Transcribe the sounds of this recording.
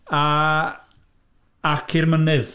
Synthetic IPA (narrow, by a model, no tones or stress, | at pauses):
a | akʰɪrmənɨð